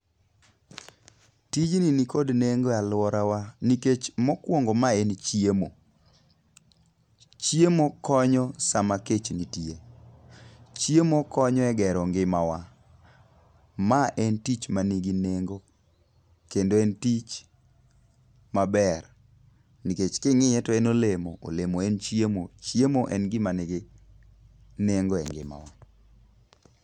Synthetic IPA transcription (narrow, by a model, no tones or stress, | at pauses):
tid͡ʒninikodneŋɡoalʊɔɾawaniket͡ʃmɔkwɔŋɡomaɛnt͡ʃjemo | t͡ʃjemokɔɲɔsamaket͡ʃnitie | t͡ʃjemokɔɲɔɛɡɛɾɔŋɡɪmawa | maʔɛntit͡ʃmaniɡineŋɡo | kendoɛntit͡ʃ | mabɛr | niket͡ʃkɪŋɪjɛtɔɛnolemoʔo̰lemoɛnt͡ʃjemot͡ʃjemoʔɛnɡɪmanɪɡɪ | neŋɡoɛ̰ŋɡɪ̰ma̰wa